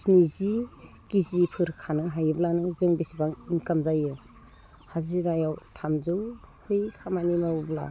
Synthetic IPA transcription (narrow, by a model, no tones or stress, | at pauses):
snizi | kizipʰɯɾkʰanɯɦajɯblanɯzɯŋbisibaŋiŋkamzajɯ | haziɾajawtʰamzɯwhɯjkʰamanimawbla̰